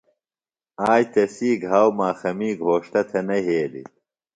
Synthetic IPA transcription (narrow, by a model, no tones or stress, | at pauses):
aːjt̪ɐsiːɡʱaːwmaːxɐmiːɡʱoːʂt̪ɐt̪ʰɐnɐɦeːlḭ